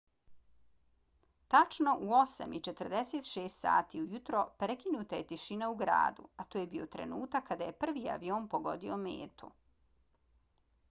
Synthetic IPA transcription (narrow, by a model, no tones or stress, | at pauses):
t̪at͡ʃno̞ʔuo̞sa̰mit͡ʃe̞t̪r̩d̪eset̪ʃeːst̪sa̰ːt̪iujut̪ɾo̞pɾekinuːt̪aje̞t̪iʃinauɡɾa̰ːd̪ṵat̪oːjebiot̪ɾe̞̰nuːt̪akːad̪aje̞pr̩ʋiːa̰ʋioːmpoɡo̞̰d̪iomḛːt̪ṵ